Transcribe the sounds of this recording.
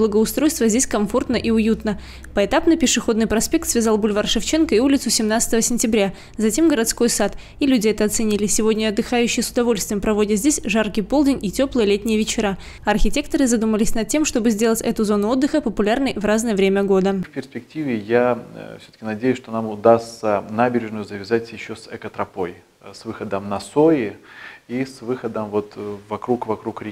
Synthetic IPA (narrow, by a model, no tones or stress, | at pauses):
blˠəɡəʊst̪ɾo̞jst̪vəzʲdʲesʲkɐɱfo̞rt̪nəʔiʊjut̪nə | pəɪt̪apnɨpʲɪʂɨxo̞d̪nɨjpɾɐspʲe̞k̚t̪svʲɪzalˠbulʲvarʂɨft͡ɕe̞nkəɪulʲɪt̪sʊsʲɪmnat̪sə̥t̪əvəsʲɪnʲtʲɪbɾʲa | zɐtʲe̞mɡəɾɐt̪sko̞jsat̪ | ilʲudʲɪɛt̪əɐt̪sɨnʲilʲɪsʲɪvo̞dʲnʲəɐd̪ːɨxajʉɕːɪjəsʊd̪ɐvo̞lʲst̪vʲɪjmpɾɐvo̞dʲɪt̪zʲdʲesʲʐarkɨjpo̞lˠdʲɪnʲitʲo̞plˠəjəlʲet̪ʲnʲɪjəvʲɪt͡ɕɪɾa | ɐrxʲɪtʲe̞k̚t̪əɾɨzɐd̪uməlʲɪsʲnɐt̪̚tʲːe̞mʂt̪o̞bɨzʲdʲe̞lˠətʲɛt̪ʊzo̞nʊo̞d̪ːɨxəpəpʊlʲarnəjvraznɨjəvɾʲemʲəɡo̞d̪əfʲpʲɪrspʲɪk̚tʲivʲɪjafsʲot̪ə̥kʲɪnɐdʲejʊsʂt̪o̞namʊd̪ast̪sənabʲɪɾʲɪʐnʊjʊzəvʲɪzatʲjɪɕːosɛkət̪ɾɐpoj | svɨxəd̪əmnɐsoɪisvɨxəd̪əmvo̞t̪vɐkɾukvɐkɾukɾʲɪ